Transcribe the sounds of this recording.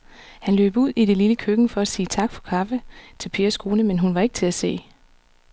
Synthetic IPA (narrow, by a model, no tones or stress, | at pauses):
hænlø̰ːb̥uð̰ˠiɾ̥e̝liləkʰøɡ̥n̩fɒ̽æsiːt͡sʰɑ̈ɡ̥fɒ̽kʰɑ̈fət͡sʰe̝lpʰe̝ːɐsɡ̥ʰo̝ːnəmenɦunʋɑ̈e̝ɡ̥ət͡sʰe̝læse̝̰ː